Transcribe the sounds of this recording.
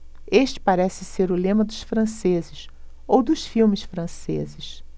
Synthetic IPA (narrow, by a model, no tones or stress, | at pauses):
eʃt͡ʃɪ̥paɾɛsɪseɾʊlẽmɐd̪ʊʃfɾɐ̃sezɪs | owd̪ʊʃfiwmɪsfɾɐ̃sḛzɪʃ